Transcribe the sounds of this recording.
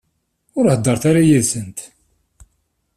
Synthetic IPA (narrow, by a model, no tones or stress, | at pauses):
ʊɾhəd̪ːəɾˤθaɾajiðsənt̪